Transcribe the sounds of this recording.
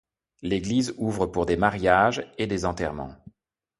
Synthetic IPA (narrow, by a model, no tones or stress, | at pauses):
leɡlizuvʁəpuʁd̪emaʁjaʒed̪ezɑ̃t̪ɛʁmɑ̰̃